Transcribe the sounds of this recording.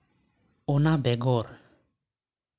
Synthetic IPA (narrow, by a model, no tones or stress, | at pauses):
ɔnabɛɡɔɾ